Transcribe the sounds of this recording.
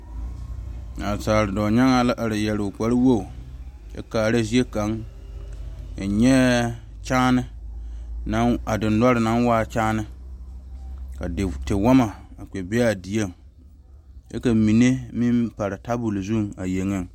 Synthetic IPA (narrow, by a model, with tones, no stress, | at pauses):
a˨taː˨ɾɪ˨dɔ˨ɲa˦ŋa˨la˦ʔa˨ɾɪ˨jɛ˨lɪ˨ʊ˨k͡pa˨ɾɪ˦wo˦˨ | ɛ̰˦kaː˨ɾa˦zi˦e˦ka˨˦ŋ˨ | ɲɛ˦ | t͡ʃaː˦nɪ˦ | na˦a˨dɪ˨n˦da˦ɾɪ˨na˦nwaː˦˨t͡ʃaː˦nɪ˦ | ka˨tɪ˨wa˦ma˨a˨k͡pɛ˨bɛ˦a˨di˨e˦˨ŋ | ɛ̰˦ka˨mi˨ne˦mi˦mpa˨ɾɪ˨ta˦bu˨lzu˦˨ŋa˨je˨ŋɪ˦˨ŋ